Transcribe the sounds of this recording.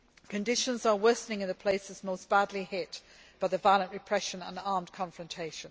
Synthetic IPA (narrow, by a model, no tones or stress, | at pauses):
kʰɨ̃ndɪʃə̃nzəwɜˑsnɪ̃ŋɨ̃nðəpʰl̥eɪsɪzmoʊsb̥adˡlihɪʔ | b̥aɪðəvaɪəlˠə̃nʔɹɪpʰɹ̥ɛʃə̃nə̰̃nɑɹmdkʰɒ̃ɱfɹə̃ntʰeɪʃə̃n